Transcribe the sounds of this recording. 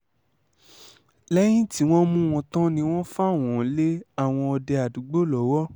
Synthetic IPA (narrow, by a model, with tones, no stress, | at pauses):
lɛ˦j̃ĩ˦ti˨˦w̃ɔ̃˦mũ˦w̃ɔ̃˧tɔ̃˦nĩ˧w̃ɔ̃˦fa˦˨w̃ɔ̃˨˦le˦a˦˨w̃ɔ̃˧ɔ˧dɛ˧a˨du˨˦ɡ͡bo˦˨lɔ˨˦wɔ˦